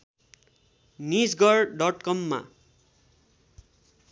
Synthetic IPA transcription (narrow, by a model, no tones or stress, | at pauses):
nid͡zɡʌrɖʌʈkʌmːa̰